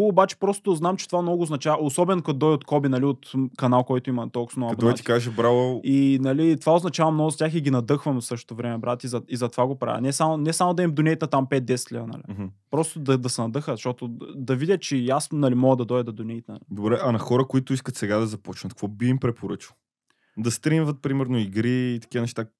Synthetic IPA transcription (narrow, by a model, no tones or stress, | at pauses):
obat͡ʃɛ̥pɾɔst̪ʊznamt͡ʃɛt̪ovamnɔɡʊːznɐt͡ʃavɐosɔbɛnokɐt̪d̪ɔjot̪kɔbinɐliot̪kɐnalˠkɔjt̪ʊimɐt̪ɔlˠksnɐbonɔat̪i̥kaʒɛbɾalˠoinɐlit̪ovaoʊznɐt͡ʃavɐmnɔɡʊzɐt̪ʲaxiɡʲinɐd̪ɤxvɐmsɤʃt̪o̥t̪ovɾɛmɛbɾat̪ʲizɐizɐt̪ovaɡopɾa̰vɛ̰nɛsamonɛsamʊd̪ɐimd̪ʊnʲɛjt̪nɐt̪ampɛt̪̚d̪ɛsɛt̪lʲɛvnɐ̰lḭɦ̩pɾɔst̪ʊd̪ɐd̪ɐsɛnɐd̪ɤxəzʃt̪ɔt̪ʊd̪ɐvidʲjət͡ʃɛasnɐlimɔɡəd̪ɐd̪ɔjd̪ɐd̪ɐd̪ʊnʲɛjt̪nɐlid̪obɾɛʔɐnɐxɔɾəkʊit̪ʊiskət̪sɛɡad̪ɐzɐpɔt͡ʃnɐt̪̚kvɔbiːmpɾɛpoɾət͡ʃilˠ | d̪ɐst̪ɾinvət̪̚pɾimɛɾnoiɡɾiːt̪ɐ̥kʲivənɛʃt̪a